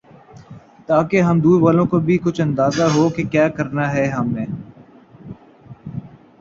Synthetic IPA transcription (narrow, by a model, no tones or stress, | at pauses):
t̪aːkeɦɐmd̪uːʋaːlõːkobʱikʊt͡ʃʰɐ̃nd̪aːzaɦoːkekjaːkəɾnaɦɛɦɐmːẽː